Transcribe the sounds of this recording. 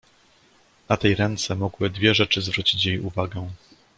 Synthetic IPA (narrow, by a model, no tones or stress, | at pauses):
nat̪ɛjɾɛnt̪sɛmɔɡwɘd̪vʲjɛʐɛt͡ʂɘzvɾut͡ɕit͡ɕjejuvaɡɛ̃